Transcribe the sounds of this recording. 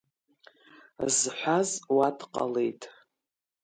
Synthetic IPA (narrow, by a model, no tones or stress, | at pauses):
zħʷazwadqʼa̰le̞jtʼ